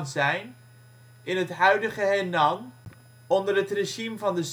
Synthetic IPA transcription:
nzɛjn | ɪnɦətɦœɥdəχəɦɛnɑm | ɔndərɦətreʒimvɑndəs

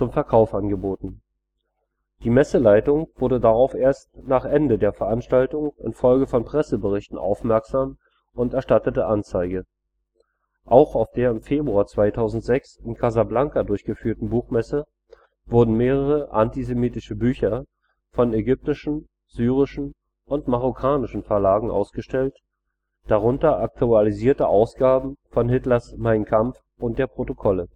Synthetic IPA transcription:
t͡sʊmfɛɐkʰaʊfʔanɡəboːtn̩ | d̥iːmɛsəlaɪtʊŋv̥ʊɐdədaʁaʊfʔeːɐstnaːχʔɛndədeːɐfɛɐʔanʃtaltʊŋʔɪ̰nfɔlɡəfɔnpʁ̥ɛsəbəʁɪçtn̩ʔa̰ʊfmɛɐkz̥aːm | ʔʊntɛɐʃtatətəʔant͡saɪɡə | ʔaʊxaʊfd̥eːɐɪmfeːbʁuaːɐt͡sv̥aɪtʰaʊzn̩tz̥ɛksɪnkʰazablaŋkadʊɐçɡ̥əfyːɐtn̩buːxmɛsə | v̥ʊɐdn̩meːʁ̞əʁəʔantizemiːtɪʃəbyːçɐ | fɔnɛɡʏp̚tɪʃn̩ | z̥yːʁ̞ɪʃn̩ | ʔʊntmaʁ̞okʰaːnɪʃn̩fɛɐlaːɡŋ̩ʔa̰ʊsɡ̥əʃtɛlt | d̥aʁ̞ʊntɐʔak̚tʰualiziːɐtəʔaʊsɡ̥aːbm̩fɔnɦɪtlɐsmaɪnkʰamf | ʊnt̚d̥eːɐpʁ̥otokʰɔlə

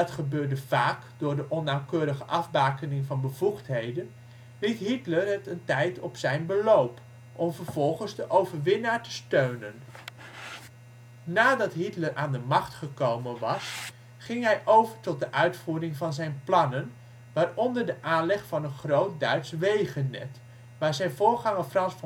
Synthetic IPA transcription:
ɑtχəbøːɹdəv̥aːkdʊːɹdəʔɔnːawkøːɾəχəʔɑvbaːkənɪŋvɑnbəv̥uχtɦejdən | ʋɪtɦitlərɦətəntɛjtɔpsɛjnbəlowp | ʔɔmvəɹv̥ɔlˠχənzdəʔowvəɹʋɪnaːɹtə̥støɥnən | naːdɑtɦitləɾʔa̰ːndəmɑχtχəkowmənʋɑs | χɪŋɦɛjʔowvəɹtɔt̚dəʔœɥtfuːɾɪŋvɑnzɛjnplɑnən | ʋaːrɔndəɹdəʔaːnlɛχfɑnənχrowt̚dœɥtsʋejχənɛ̰t | ʋaːɹzɛjnvʊːɹχɑŋəfrɑnsf

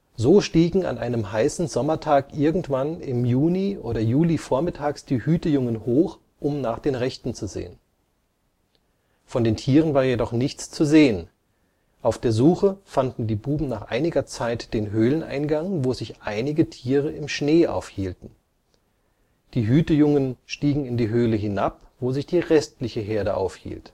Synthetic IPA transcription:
zoːʃtiːɡŋ̩a̰nʔa̰ɪnəmɦaɪsn̩zɔmɐtʰaːkʔɪɐɡŋ̩tv̥anɪmjuːniʔo̰ːɾɐjuːlifoːɐmɪtʰaːksd̥iːhyːtəjʊŋənhoːx | ʔʊmnaːχd̥eːnʁɛçtn̩t͡suzḛːən | fɔndeːntʰiːʁ̞ənvaːɐjedɔχnɪçt͡st͡suzeːən | ʔaʊfd̥eːɐzuːxəfandn̩diːbuːbm̩naːχʔa̰ɪnɪɡɐt͡saɪtd̥eːnɦøːlənʔa̰ɪnɡaŋvoːzɪçʔaɪnɪɡətʰiːʁəɪmʃneːʔa̰ʊfhiːltn̩ | d̥iːɦyːtəjʊŋənʃtiːɡŋ̩ɪndiːɦøːləɦɪnap̚v̥oːzɪçd̥iːʁɛstlɪçəɦeːɐɾəʔa̰ʊfhḭːlt

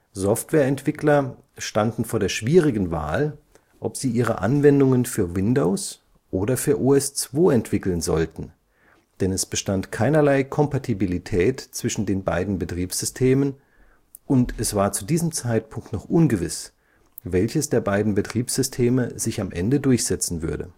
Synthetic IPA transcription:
zɔftv̥ɛːɐɛntv̥ɪklɐ | ʃtandn̩foːɐɾeːɐʃv̥iːʁɪɡn̩va̰ːl | ʔɔpz̥iːʔiːʁə̰ʔa̰nvɛndʊŋənfyːɐvɪndoʊs | ʔoːdɐfyːɐʔuːɛst͡sv̥oːɛntv̥ɪkl̩nzɔ̰ltn̩ | d̥ɛnɛsb̥əʃtantkʰaɪnɐlaɪkʰɔmpatʰibilitʰɛːtt͡sv̥ɪʃn̩deːnba̰ɪdn̩bətʁ̥iːpsz̥ʏstʰeːmən | ʔʊntɛsv̥aːɐt͡sudiːzəmt͡saɪt̚pʰʊŋk̚tnɔχʔʊnɡəvɪs | vɛlçəsd̥eːɐbaɪdn̩bətʁ̥iːpsz̥ʏstʰeːməzɪçamʔɛndədʊɐçz̥ɛt͡sn̩vʏɐdə̰

